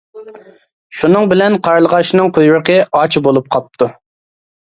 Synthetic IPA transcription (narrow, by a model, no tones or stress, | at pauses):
ʃunɨŋbɪlɛnqʰɑɾlˠəʁɑʃnɨŋqʰojɾəqəɑt͡ʃʰibolˠup̚qʰɑp̚t̪ʰu